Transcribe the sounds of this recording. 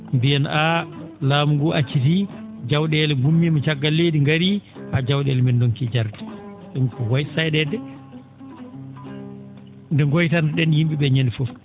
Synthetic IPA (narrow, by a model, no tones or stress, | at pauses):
mbijɛna | laːmuɡɔʔat͡ʃːit̬id͡ʒawɗɛlɛɡumːimɔt͡ʃaɡːalːeːdiŋɡaɾiʔad͡ʒawɗɛlɛmɛndoŋkid͡ʒaɾti̥sɛnkɔwajsajɗɛdɛ | ndɛŋɡɔjtandɗɛnjimɓiɓɛɲanifɔf